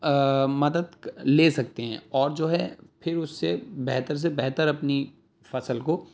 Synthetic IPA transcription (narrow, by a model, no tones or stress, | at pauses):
mɐd̪əd̪leːsɐk̚t̪eɦɛ̃ɔːɾd͡ʒoːɦɛpʰɪɾʊsːebɛɦt̪əɾs̬ebɛɦt̪əɾɐpni | fɐsəlko